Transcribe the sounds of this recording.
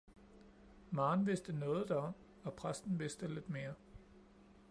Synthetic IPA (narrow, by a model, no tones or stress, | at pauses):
mɑ̈ːnʋe̝sd̥ənɔ̽ːð̞̩ˠd̥æɒ̽m̰ | ɒ̽pʰʁasd̥n̩ʋe̝sd̥əle̝d̥me̝ːɐ